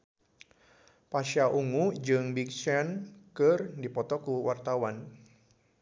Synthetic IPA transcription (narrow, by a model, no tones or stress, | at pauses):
paʃaʔuŋud͡ʒɨŋbik̚t͡ʃɛnkɨrdipɔt̪ɔkuwart̪awan